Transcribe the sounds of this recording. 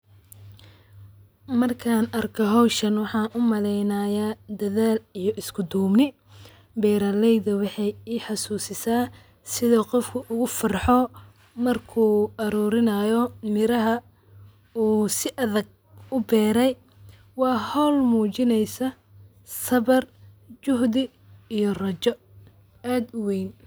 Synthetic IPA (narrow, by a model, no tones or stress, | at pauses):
mɐrkʰaːnɐrkʰɔɦɔwʃɐnwɑħɑːʔʊmɐlɛjnaːjad̪ɐðaːlijɔʔɪskʰʊd̪uːmnɪ | bɛːɾɐlɛjðɐwɑħɑjiːħɑsuːsɪsaː | sɪðɔqɔfkʰʊʔʊɣʊfɐrħɔ | mɐrkʰuːɐɾuːɾɪnɐjɔmɪɾɐɦɐ | uːsɪʔɐðɐɡ̚ | ʊbɛːɾɛj | wɑːhɔlmuːt͡ʃɪnɛjsɐ | sɐβɐr | t͡ʃʊɦd̪ɪ | ijɔrɐt͡ʃɔ | aːd̪ʊwɛjn